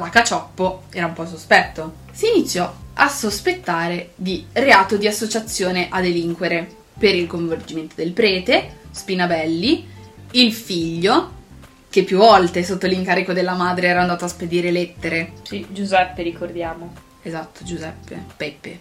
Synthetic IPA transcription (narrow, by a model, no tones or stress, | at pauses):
lakat͡ʃɔpːoɛːɾaumpɔs̬ospɛt̪ːo | siːnit̪sːjɔasospet̪ːaːɾed̪ireaːt̪od̪iasːot͡ʃat̪sːjoːneʔad̪eliŋkweɾe | peɾilkoɱvord͡ʒiment̪od̪elpɾɛːt̪espinabɛlːiilfiʎːo | k̟epːjuvːɔlt̪esot̪ːoliŋkaːɾikod̪elːamaːd̪ɾeɛːɾand̪aːt̪oasped̪iːɾelet̪ːeɾesid͡ʒuzɛpːeɾikord̪jaːmo | ezat̪ːod͡ʒuzɛpːḛpɛpːḛ